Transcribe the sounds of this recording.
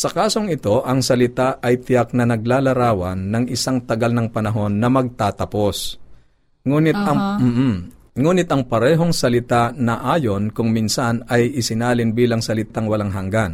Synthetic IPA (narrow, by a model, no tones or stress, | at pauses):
sɐkaːso̞ŋɪt̪o̞ʔɐŋsɐlɪt̪aʔɐjt̪ɪjak̚nɐnɐɡ̚laːlɐɾaːwɐnːɐŋɪsaŋt̪ɐɡalnɐŋpɐnɐɦo̞nːɐmɐɡ̚t̪aːt̪ɐpo̞s | ŋuːnɪt̪̚ɐŋ̩ːh | ŋuːnɪt̪ʔɐŋpɐɾɛːɦo̞ŋsɐlɪt̪anɐʔaːjo̞nkʊŋminsanɐjɪsɪnaːlɪnbiːlɐŋsɐlɪt̪aŋwɐlaŋɦɐŋɡan